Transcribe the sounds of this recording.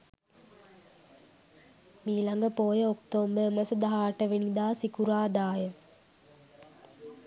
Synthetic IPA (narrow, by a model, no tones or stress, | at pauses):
miːlaŋɡəpoːjəokt̪oːmbəməsəd̪aɦaːʈəʋenid̪aːsikuɾaːd̪aːjə